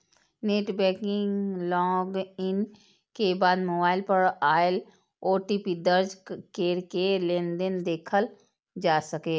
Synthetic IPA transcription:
neːʈbɛːkɪ̃ŋlɔːɡɪn | kebaːd̪moːbaːɪlpəɾaːl | oːʈiːpid̪əɾd͡ʒkeːɾkelẽːnd̪ənd̪eːkʰəl | d͡ʒaːsɐkeː

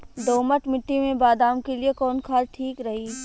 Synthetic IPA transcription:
d̪oːməʈmɪʈːimẽbaːd̪aːmkeliekɔːnkʰaːɾʈʰiːkɾɐɦiː

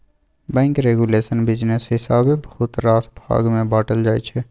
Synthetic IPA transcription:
bɛ̃ːŋkɾeːɡuleːʃənbid͡ʒnesɦɪsaːbebəhʊt̪ɾaːsbʱa̰ːɡmẽbaːʈəld͡ʒaːit͡ʃʰɛ

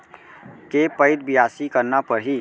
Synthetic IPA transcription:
kepəɪd̪̚bijasikəɾnapəɾɦi

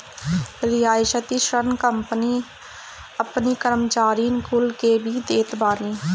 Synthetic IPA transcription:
ɾɪjaːʃət̪iːʃənkəmpniː | əpniːkəɾəmt͡ʃaːɾiːnkʊlkeːbʱiːd̪eːt̪baːniː

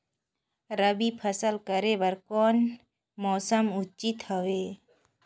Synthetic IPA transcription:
ɾəbipʰəsəlkəɾebəɾkoːn | mɔːsəmʊt͡ʃit̪həʋe

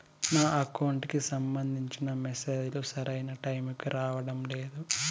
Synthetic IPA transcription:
naːʔɐkɐwuɳʈkisɐmbɐnd̪ʱiɲt͡ʃinɐmeseːd͡ʒulusɐɾɐjnɐʈɐjmikiɾaːʋɐɽɐmle̞ːd̪u

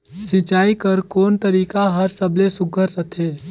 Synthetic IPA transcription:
sɪt͡ʃaːikəɾkoːnt̪əɾiːkaɦəɾsəblesʊɡʱəɾːət̪ʰɦeː

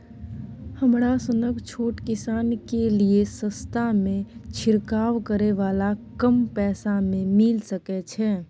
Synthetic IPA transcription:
həmɾasʊnəkt͡ʃʰoːʈkɪsaːnkeliesə̃st̪ʰamẽt͡ʃʰɪɾkaːʋkəɾeʋaːlakəmpɛːsamẽmɪlsəkɛt͡ʃʰɛː

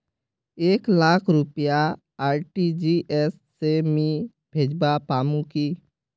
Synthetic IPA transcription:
eːklaːkʰɾʊpja | aːɾʈid͡ʒiʔɛsːemĩ | bʱeːd͡ʒbapaːmũkiː

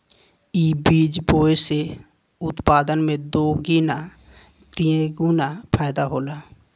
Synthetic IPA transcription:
iːbiːd͡ʒboːese | ʊt̪paːd̪ənmẽd̪oːɡiːna | t̪iẽɡuːnapʰaːɪd̪aɦoːlaː

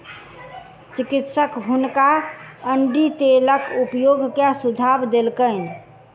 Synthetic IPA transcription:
t͡ʃikit̪səkɦunkaəɳɖit̪eləkupjoɡkasud͡ʒʱabd̪elkəɪ

